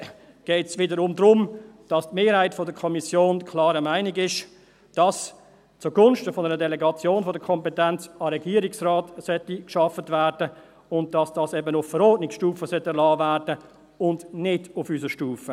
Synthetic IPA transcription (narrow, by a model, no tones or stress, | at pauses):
ɡ̥ɛɪtsʋɪdəɾʊmdɾʊmd̥ɑstmeːɾhaɪtfɔdəkʰɔmisjoːnkʰlɑːɾəmaɪnɪɡɪʃ | d̥ɑs | t͡sʊɡʊnʃtəfɔnəɾədɛlɛɡɑt͡sjoːnfɔdəkʰɔmpɛtɛnt͡sɑɾɛɡiːəɾɪksraːtsœtikʃɑfətvæːɾdə | ʊnt̚d̥ɑsd̥ɑsɛbənʊfːəɾɔːɹtnɪksʃtuːfəsœtːɛɾlɑːvæːɾdə | ʊndnɪdʊfysəʃtuːfə